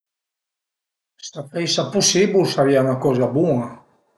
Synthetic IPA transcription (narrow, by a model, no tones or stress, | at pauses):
st̪afɛjsapusibusaɾianakɔzabua